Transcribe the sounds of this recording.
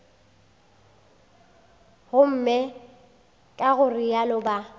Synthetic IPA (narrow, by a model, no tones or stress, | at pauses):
hʊm̩mɛ | kʼaɣʊrialʊba